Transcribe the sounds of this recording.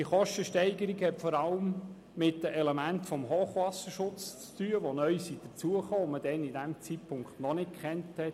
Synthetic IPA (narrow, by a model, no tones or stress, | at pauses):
diəχɔʃtəʃtɛɪɡəɾiɡhɛtfɔɾɑləmː | ɪt̚d̥əʔɛlemæntfɔmɦoːχʋɑsəʃʊt͡st͡styːəʋonœʏsid̥ət͡suəχoːməd̥ɛnidæmt͡sitpʰʊŋkχtnɔnɪtkχɛnthɛt